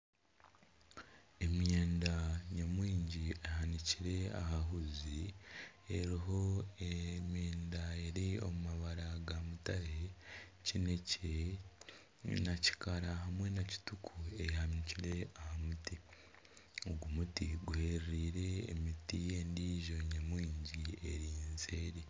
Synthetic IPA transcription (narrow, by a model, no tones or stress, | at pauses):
e̞mjeːndaɲamwiːɲɟieɦaniciɾe̞a̰ɦaɦuzi | eɾiɦo̞emjeːndae̞ɾio̞̰mumaβaɾaɡamutaɾecinece | naci̥kaɾaɦamwe̞naci̥tukʰuehaniciɾe̞ahamuti | oɡumutiɡuhe̞ɾɾiːɾe̞ːmitie̞ndiːʒo̞ɲamwiːɲɟie̞ɾiːnzeːɾi